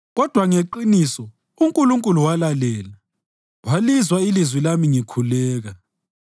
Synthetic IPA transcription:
ɣɔd̥ʱwaŋeǃinisɔ | uŋkʼuluŋkʼuluwalalɛːla | walizwailizwilamiŋikʰulɛːɣa

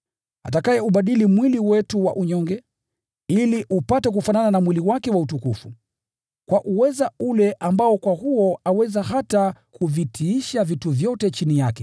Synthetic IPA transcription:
atakajɛuɓaɗilimwiliwɛtuwa̰ʔuɲɔŋɡɛ | iliʔupatɛk̬ufanananamwiliwakɛwautukufu | kwaʔuwɛzaulɛʔambaɔkwahuɔawɛzaɦatakʰuvitʰiiʃavituvjɔtɛt͡ʃinijakɛ

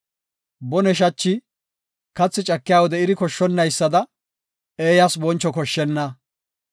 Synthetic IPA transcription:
bɔnɛʃ̬ɐt͡ʃːɪ | kɐt͡sːɪt͡ʃʼɐkːɪjaːwɔd̪ɛɪd̪ɪkɔʃːɔnːɐjsːɐd̪ɐ | eːjɐsbɔnt͡ʃːɔkɔʃːɛnːɐ

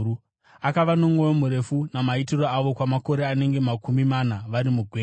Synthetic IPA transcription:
u | akaʋano̞mŋo̞jomuɾe̞funamaitiro̞aʋo̞kwamako̞ɾe̞ane̞ŋɡe̞makumimanaʋaɾimuɡʱweː

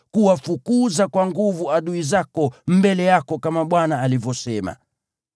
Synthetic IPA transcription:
kuwafukuzakwaŋɡuvuaɗuizakɔm̩bɛlɛjakɔkamaɓwanaːlivɔsɛma̰

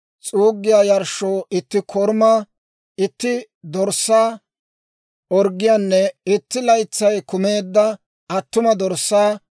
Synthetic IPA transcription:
t͡sʼuːɡːɪjaːjɐɾʃoːʔɪt̪ːɪkʰɔɾmɐ | ɪt̪ːɪ | d̪ɔɾsːaː | ɔɾɡɪjaːnːɛɪt̪ːɪlɐjt͡sːɐjkʊme̞ːd̪ːɐ | ɐt̪ːʊmɐd̪ɔɾsːaː

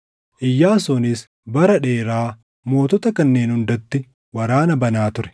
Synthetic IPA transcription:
ʔɪjːaːsɔnɪs | bɐɾɐᶑeːɾaː | mo̞ːt̪ɔt̪ɐkɐnːe̞ːnhʊnd̪ɔt̪ːɪ | wɐɾaːnɐbɐnaːt̪ʊɾɛ̥

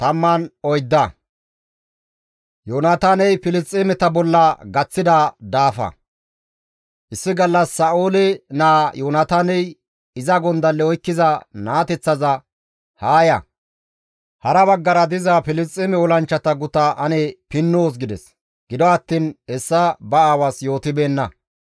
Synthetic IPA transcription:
t̪ɐmːɐnɔjd̪ːɐ | joːnɐt̪anɛjpɪlɪst͡sʼːɪmɛt̪ɐbɔlːɐɡɐt͡sːɪd̪ɐd̪aːfɐ̰ | ʔɪsːɪɡɐlːɐsːɐʔoːlɛnaːjoːnɐt̪anɛj | ɪzɐɡɔnd̪ɐlːɛɔjkːɪzɐnaːt̪ɛt͡sːɐzɐ | haːjɐ̰ | hɐɾɐβɐɡːɐɾɐd̪ɪzɐpɪlɪst͡sʼːɪmɛɔlɐnt͡ʃːɐt̪ɐɡʊt̪ɐʔɐnɛpɪnːoːs̬ɡɪd̪ɛs | ɡ̥ɪd̪ɔɐt̪ːiːnɛsːɐbɐaːwasjo̞ːt̪ɪbe̞ːnːɐ

